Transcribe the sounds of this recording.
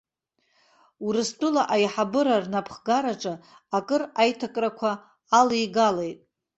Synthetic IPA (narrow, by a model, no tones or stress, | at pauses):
uɾɨstʰʼʊlaʔajħabɨɾarnapʰχɡaɾaʈ͡ʂʼɨ | akʼɨrajtʰakʼrakʷʰaː | lijɡalejtʼ